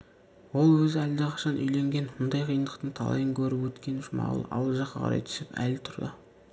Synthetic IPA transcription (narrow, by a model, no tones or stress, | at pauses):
wo̞lˠwɵzɪæld̪eqʰɑ̥ʃɑnʔʏ̰jle̞ŋɡʲe̞nmʊnd̪ɑjqʰijənd̪əqt̪əɴt̪ʰɑ̰lˠɑ̰jəŋkʲʰɵɾɪpwɵt̪kʲe̞nɪʃmɑ̰ʁlˠə̰ʔɑ̰wlˠəʒɑqːɑqʰɑ̰ɾɑ̰jt̪ʰʏ̥sɪpæ̰lt̪ʰʊɾd̪ə̰